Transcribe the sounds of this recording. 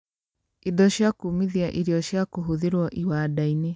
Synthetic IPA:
idɔɕjakumiðiaʔiɾiɔɕjakoɦuðeɾwɔʔiwaːdaine

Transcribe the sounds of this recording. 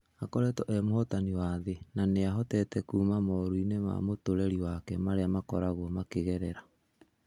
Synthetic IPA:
akɔɾɛtɔʔɛmohɔtaniwaðenaneaɦɔtɛtɛkuːmamɔɾuinema̰motoɾɛɾiwakɛmaɾeamakɔɾaɣwɔmakeɣɛɾɛɾa

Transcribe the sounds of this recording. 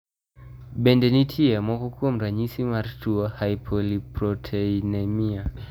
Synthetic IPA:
bɛndɛnitʰiamwɔkɔkuɔm̩ɾaɲisimaɾtuahajpʰɔlipɾɔtʰɛinamia

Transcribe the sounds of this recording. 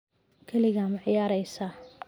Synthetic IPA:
kʰɐlɪɣamɑʕjaːɾɛjsa

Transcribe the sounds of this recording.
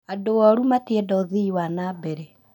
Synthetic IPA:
adoɔɾumatiedɔðiiwanabɛɾɛ

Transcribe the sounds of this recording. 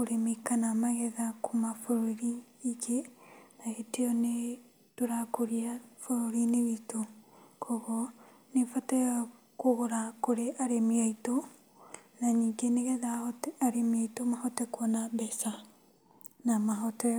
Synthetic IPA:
koɾemikanamaɣɛðakʰomafoɾoɾiː | kenaeteɔne | toɾakoɾiafoɾoɾineβitokʰɔɣɔ | nefatɛ | koɣoɾakoɾeʔaɾemiaito | naɲiːŋɡeneɣɛðaɔtaɾemiaitomahɔtɛkwɔnabɛsa | namaɦɔtɛ

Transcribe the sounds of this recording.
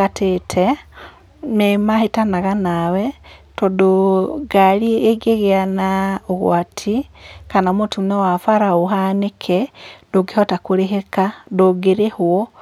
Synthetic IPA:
atʰetʰɛ | nemahetanaɣanawɛtɔdoɡalieɡeɣeanaoɣwatʰikanamotinɛwafaɾaoɦanekʰɛdoɡehɔtakoɾeɦekadoɡeɾehwɔ

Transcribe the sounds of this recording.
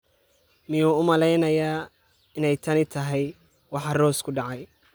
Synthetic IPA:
mɪjuːʊmɐlɛjnɐjaː | ɪnɛjt̪ʰɐnɪt̪ʰɐɦɛj | wɑħɑrɔːskʰʊɖɑʕɑj

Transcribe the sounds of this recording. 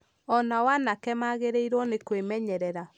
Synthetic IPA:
ɔnawanakɛmaɣeɾeiɾwɔnekwemɛɲɛɾɛɾa

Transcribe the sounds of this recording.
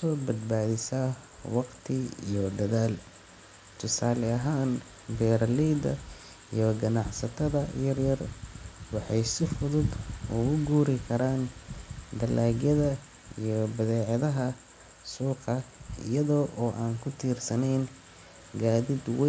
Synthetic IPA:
ɔːbɐd̪baːðɪsa | wɑqt̪ʰɪḭjɔd̪ɐðaːl | t̪ʰʊsaːlɛɐɦaːn | bɛːɾɐlɛːd̪ɐ̰ | ḭjɔɡɐnɑʕsɐt̪ʰɐðɐjɐrjɐrwɑħɑjsɪfʊðʊd̪ʊɣʊɡuːɾɪkʰɐɾaːn | d̪ɐlʔaːɡjɐðɐ | ijɔbɐðɛːʕɑðɐɦɐ | suːqɑɪ̰jɐðɔːʔɔːʔaːnkʰʊt̪ʰiːrsɐnɛjn | ɡaːðɪd̪wɛ

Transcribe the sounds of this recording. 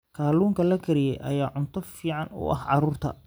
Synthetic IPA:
kʰaːluːŋkʰɐlɐɡʰɐɾɪjɛjʔɐ̰jaːʕʊnt̪ʰɔfiːʕɑnʊ̰ʔɐ̰hʕɑɾuːrt̪ʰɐ̰

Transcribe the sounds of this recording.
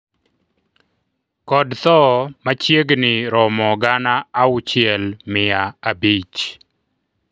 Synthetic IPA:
kɔdt̪ɔmat͡ʃjeɡnɪɾɔmɔɡanaːʊt͡ʃɪɛlmɪaabit͡ʃ

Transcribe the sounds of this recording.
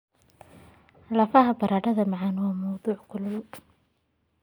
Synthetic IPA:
lɐfɐɦɐbɐɾaːɖɐðɐmɑʕɑnwɑːmɐwðuːʕkʰʊlʊl

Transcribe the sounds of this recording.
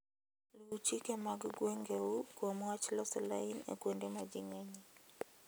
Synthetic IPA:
luut͡ʃikɛmaɡɡwɛŋɡɛukwamwat͡ʃlɔsɛla̰inḛkwendɛmad͡ʒiŋɛɲi

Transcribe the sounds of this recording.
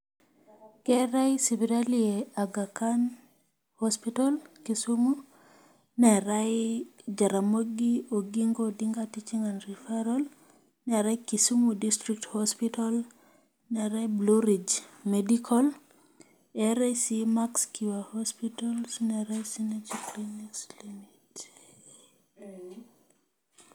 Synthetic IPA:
kɛɾajsiviɾalieaɡakan | hɔspitalkisumu | nɛɾajd͡ʒaɾamoɡioɡiŋɡodiŋɡatit͡ʃiŋanɾifaɾɔl | nɛɾakisumudistɾik̚thɔspital | nɛɾaibluɾid͡ʒmɛdikʰɔl | ɛɾasimakskiwahɔspitalsnɛɾajsinɛd͡ʒiklinikslimit

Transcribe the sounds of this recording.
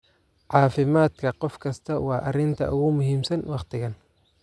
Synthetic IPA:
ʕɑːfɪmaːd̪kʰɐqɔfkʰɐst̪ʰɐwɑːʔɐrɪnt̪ʰɐ̰ʔʊɣʊmʊɦiːmsɐnwɑχt̪ʰɪɣɐn

